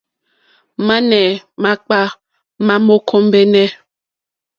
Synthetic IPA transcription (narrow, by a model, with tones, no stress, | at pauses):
ma˦nɛ˨ma˦k͡pa˦ | ma˦mo˦kʰo˦m˦be˦nɛ˦